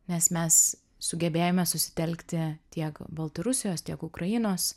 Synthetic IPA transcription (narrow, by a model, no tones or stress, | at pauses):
nʲɛsmʲɛs | sʊɡʲɛbʲeːjoːmʲɛsʊsʲɪ̥t̪ʲɛlʲkt̪ʲɪt̪ʲiɛkbɐlˠt̪ɐɾʊsʲɪjoːst̪ʲiɛkʊkɾɐɪnoːs